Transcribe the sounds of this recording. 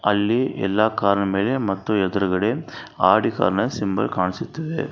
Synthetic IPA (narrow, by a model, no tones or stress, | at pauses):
ʔɐlːiʔɛ̰lːaːkaːɾɐɳɐmeːlemɐt̪ːɔ̃ɛðɯɾɯɣɐɽeaːɽika̰ːɾɐnɐsɪmbɐ̰lkaːnɐsɪt̪ːɯʋɯ̰